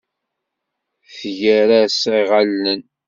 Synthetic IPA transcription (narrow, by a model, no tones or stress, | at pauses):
θθʝæɾasiʁalːən